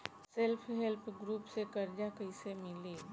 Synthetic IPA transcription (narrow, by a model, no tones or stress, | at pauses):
selpʰɦelpʰɡɾuːpsekɐɾd͡ʒakəɪsemɪliː